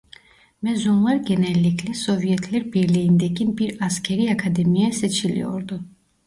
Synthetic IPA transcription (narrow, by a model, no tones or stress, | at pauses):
mɛzɔmvɛɾɡɛnɛlɛkʰlɛsɔviɛt̪ʰlɛɾbiɾlɛnd̪ɛkʼinbiɾaskʰɛɾiakʰad̪ɛmiasɛt͡ʃʰilḭɔ̰ɾd̪ɔ